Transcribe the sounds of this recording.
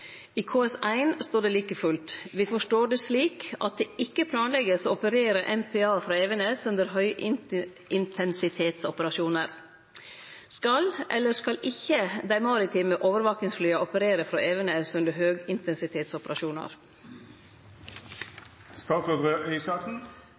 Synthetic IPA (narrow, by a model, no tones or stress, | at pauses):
iːkʰoːɛsæɪnst̪oːɖeːliːkəfʉlt̪ʋiːfɔʂʈoːɖesliːkɑ̰t̪̚d̪eːɪkːəpʰlɑːnlɛɡəsoːɔpəɾeːɾəʔɛmpʰɛːɑːfɾɑːeːʋənɛsʉnd̪əɾɦœʏɪ | ɪnt̪ʰɛnsɪt̪ʰeːt̪sɔpəɾɑʃuːnəɾ | skɑlʔɛ̰lːəskɑlʔɪçːəd̪æɪmɑːɾɪt̪ʰɪməʔoːʋəɾʋɑːknɪŋsflyːɑɔpəɾeːɾəfɾɑːʔeːʋənɛsʉnd̪əɾɦøːɡɪnt̪ʰɛnsɪt̪ʰeːt̪sɔpəɾɑʃuːnɑ̰ɾ | st̪ɑːsɛd̪ʁəʔeɪsɑːksn̩